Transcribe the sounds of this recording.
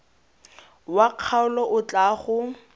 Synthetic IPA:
waq͡χʰaʊlɔʔʊt͡ɬʼaːχʊ

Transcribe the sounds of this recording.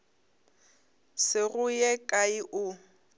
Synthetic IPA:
sɪɣʊjɛkʼaiʔʊ

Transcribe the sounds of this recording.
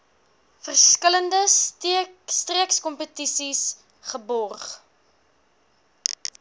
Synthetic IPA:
fərskələndə | striəkskɔmpətisis | χəbɔrχ

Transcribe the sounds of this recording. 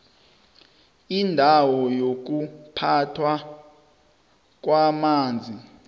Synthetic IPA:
indʱawɔjok̬upʰatʰwa | k̬wamaːnd͡zʱi

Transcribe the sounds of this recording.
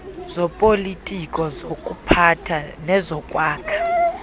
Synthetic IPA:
zɔpʼolitʼikʼɔzokʼupʰatʰanɛzɔkʼwaːkʰḁ

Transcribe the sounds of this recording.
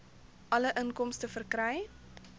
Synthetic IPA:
ʔɐləʔəŋkɔmstəfərkrɛj

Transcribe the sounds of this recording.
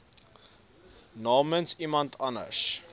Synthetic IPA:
nɑːmənsimɐntʰɐnə̰s

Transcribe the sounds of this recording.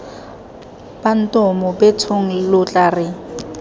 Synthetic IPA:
b̥an̩tʼɔmɔbɛt͡sʰoŋ̩lʊt͡ɬʼaːrɪ

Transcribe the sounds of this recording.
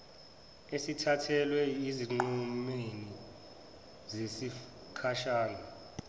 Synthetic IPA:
esitʰatʰɛlwɛiziŋ͡ǃumeni | zesi | kʰaʃaːnɔ

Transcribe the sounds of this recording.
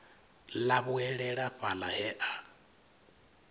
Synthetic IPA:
laβuɛɺɛɺaɸalahɛʔa

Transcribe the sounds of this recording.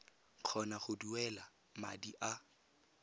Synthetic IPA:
q͡χʰɔnaχʊduɛla | ma̰diʔa

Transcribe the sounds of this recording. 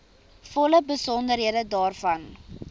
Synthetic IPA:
fɔləbəsɔndəɾɦiədədɑːrfɐn

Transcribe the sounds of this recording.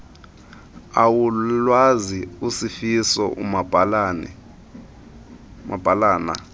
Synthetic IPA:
awulwaziusifisɔʔṵmablnɛ | ma̰b̥ʱalaːna̰

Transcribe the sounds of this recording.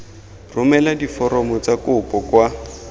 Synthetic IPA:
rʊmɛladifɔɾɔmɔt͡sakʊpʼɔkwa

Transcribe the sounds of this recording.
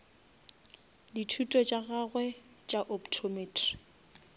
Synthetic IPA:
ditʰutʼɔt͡ʃʼaɣaɣwɛ | t͡ʃʼaʔoptʰomeːtʰri̥

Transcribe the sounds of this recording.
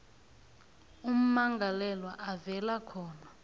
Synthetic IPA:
um̩maŋɡʱalɛlwaʔavɛlakʰɔːna

